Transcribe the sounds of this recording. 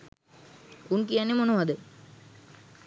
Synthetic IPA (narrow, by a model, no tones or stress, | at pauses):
unkijanːemonoʋɐd̪ə